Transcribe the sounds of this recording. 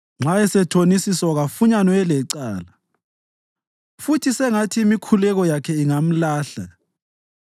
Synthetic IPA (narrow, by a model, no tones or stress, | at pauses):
ŋ͡ǁʱaɛsɛtʰonisiswaɣafuɲanɔɛlɛǀa̰ːla | futʰisɛŋatʰiːmikʰulɛɣɔjakʰɛiŋam̩laːɬa̰